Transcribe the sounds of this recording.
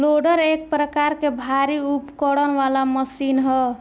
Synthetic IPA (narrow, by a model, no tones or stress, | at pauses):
loɖəɾek̚pɾəkaɾkebʱaɾiupkəɽənʋalaməsinɦɔ